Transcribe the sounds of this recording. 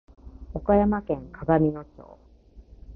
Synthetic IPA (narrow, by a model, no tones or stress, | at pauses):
okajamakẽ̞ŋkaɡamʲino̞t͡ɕo̰ː